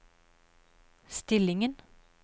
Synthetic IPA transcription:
st̪ɪlɪŋən

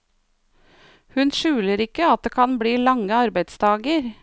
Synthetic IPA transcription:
hʉnʃʉːləɾɪkəɑt̪̚d̪eːkʰɑnbɽiːlɑŋəɑɾbæɪd̪st̪ʰɑːɡəɾ

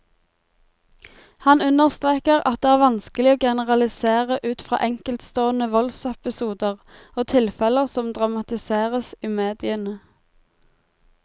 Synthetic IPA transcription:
hɑnʉnəʁst̪ʁeːkəʁɑ̰t̪̚d̪eːæːʁʋɑnskəlɪoːɡɛnəʁɑlɪseːʁəʔʉːt̪fʁɑ̰ːʔɛŋkəlt̪st̪oːənəʋɔlsɛpɪsuːd̪əʁ | oːt̪ʰɪlfɛləʁsɔmd̪ʁɑmɑt̪ɪseːʁəsiːmeːd̪ɪənə

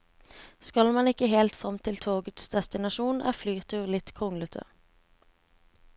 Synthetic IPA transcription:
skɑlmɑnɪkəheːlt̪fʁɑmt̪ʰɪlt̪ʰoːɡət̪sd̪ɛst̪ɪnɑʃuːnæ̰ːflyːʁt̪ʰʉːʁlɪt̪kʰʁʊŋlət̪ʰə̰

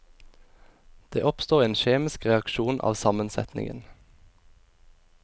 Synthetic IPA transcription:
d̪̥eːʔɔpst̪oːʁeːnʃeːmɪskʁɛɑkʃuːnʔɑ̰ːʋsɑmənsɛ̰t̪nɪ̰ŋə̰n

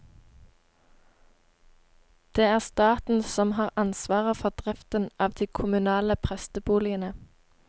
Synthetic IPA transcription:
d̪̥eːæːʁst̪ɑːt̪n̩sɔmhɑːʁɑnsʋɑːʁəfɔʁd̪̥ʁɪft̪ənɑːʋd̪iːkʰʊmʉnɑːləpʰʁɛst̪əbuːlɪənə

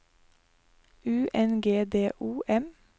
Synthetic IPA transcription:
ʉːʔɛnɡeːd̪eːʔuːʔɛm

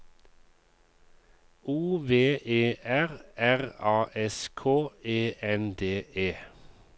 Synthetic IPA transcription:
uːʋeːʔeːʔæʁæʁɑːʔɛskʰoːeːɛnd̪eːʔeː

